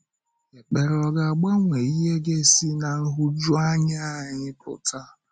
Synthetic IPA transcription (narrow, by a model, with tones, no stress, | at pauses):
e˨k͡pe˨ɾɔ˨ɡa˨a˨ɡ͡ba˦ŋʷe˨i˦ɦe˦ɡe˦˨si˦na˨n̩˦ɦʊ˦d͡ʒu˦a˦ɲa˦˨ɲɪ˦pʊ̰˨ta˦